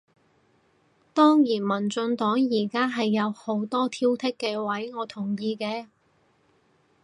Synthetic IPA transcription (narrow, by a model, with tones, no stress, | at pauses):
t̪ɔː˥ŋjiː˨˩nmɐ˨˩nt͡sɵ˧nt̪ɔː˨˥ŋjiː˨˩kaː˥ɦɐ˨jːɐ˨˧who˨˥wt̪ɔː˥t̪ʰiː˥wt̪ʰɪ˥kːɛː˧wɐ˨˥jŋɔː˨˧t̪ʰʊ˨˩ŋjiː˧kɛː˧